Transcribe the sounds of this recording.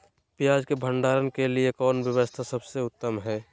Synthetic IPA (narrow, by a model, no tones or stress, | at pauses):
pijaːd͡ʒkebʱə̃ɳɖaːɾənkeliekɔːnʋjəwəst̪ʰasəbseʊt̪ːəmɦɛː